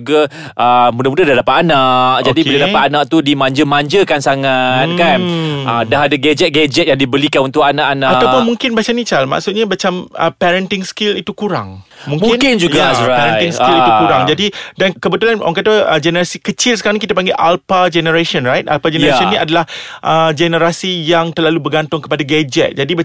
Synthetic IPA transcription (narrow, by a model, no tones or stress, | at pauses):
ɡa | ʔəmũdamũdadadapat̪̚anak̚d͡ʒadibədadapat̪anãk̚t̪udimãɲd͡ʒəmãɲd͡ʒəkansaŋat̪kanədaɦadaɡad͡ʒɛt̪̚ɡad͡ʒɛt̪̚jaŋdibəlikanunt̪ʊkanakanaaawpʊnmũŋkɪnbaat͡ʃanit͡ʃalma̰ksʊt̪̚ɲamat͡ʃamə̰pɛɾənt̪ɪŋskɪlit̪ukuɾa̰ŋmũŋmɪŋnkɪnd͡ʒuɡasɾaɛɾanj̪iŋskiliukuɾaŋd͡ʒadidankəbət̪ulanʔɔ̰ŋkat̪əd͡ʒɛnəɾasikət͡ʃɪlsəkaɾaŋk̬it̪apaŋɡeʔalpad͡ʒɛnəɾaʃɔnɾajt̪a̰lpad͡ʒɛnəɾasɔnĩadalahʔəd͡ʒɛnəɾasijaŋt̪ərlalubəɡant̪ʊŋkəpadaɡad͡ʒɛ̰t̪̚d͡ʒadibə